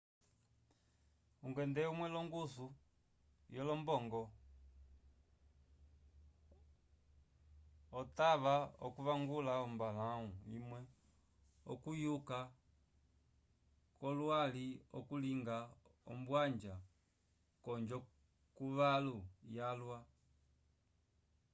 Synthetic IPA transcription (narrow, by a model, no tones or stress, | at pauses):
uŋɡwɛndɛumwɛlɔŋɡusu | jɔlɔmbɔŋɡɔ | taβaɔkuʋaŋɡulaɔmbalauimwɛ | ɔ̰kujuka | kɔlwaliɔ̰kuliŋɡaɔ̰mbwaɲd͡ʒa | kɔɲd͡ʒɔ | kuʋalujalwa